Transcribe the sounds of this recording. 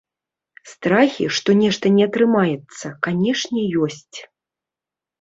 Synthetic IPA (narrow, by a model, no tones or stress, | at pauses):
st̪ɾaxʲiʂt̪ɔnʲɛʂt̪ɐnʲɛɐt̪ɾɨmajɛt̪sːɐkanʲɛʂnʲɛjɔsʲt͡sʲ